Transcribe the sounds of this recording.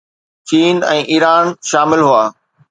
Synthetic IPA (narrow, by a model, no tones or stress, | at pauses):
t͡ɕiːnɛ̰̃ːʔiːɾaːnʃaːmɪlɦuaː